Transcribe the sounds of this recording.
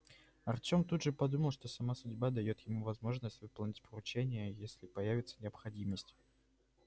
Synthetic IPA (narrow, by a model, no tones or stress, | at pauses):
ɐrtʲo̞mt̪ud̪ʐɨpɐd̪uməlˠʂt̪o̞sɐmasʊdʲbad̪ɐjo̞t̪jɪmuvɐzmo̞ʐnəsʲtʲvɨpəlˠnʲɪtʲpəɾʊt͡ɕenʲɪjəjesʲlʲɪpɐjævʲɪt̪sə̥nʲɪəpxɐdʲiməsʲtʲ